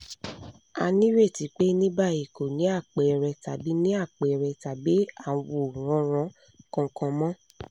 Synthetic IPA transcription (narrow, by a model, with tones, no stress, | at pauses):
a̰˧nĩ˦ɾe˦˨ti˨˦k͡pe˦nĩ˦ba˦˨i˨ko˨nĩ˨˦a˦˨k͡pe˨˧˨ɾɛ˧ta˨bi˨˦nĩ˦a˦˨k͡pe˨˧ɾɛ˧ta˨bi˨˦ã˦˨˦wo˨ɾ̃ɔ̃˨˦ɾ̃ɔ̃˧˦ | kɔ̃˧kɔ̃˧mɔ̃˦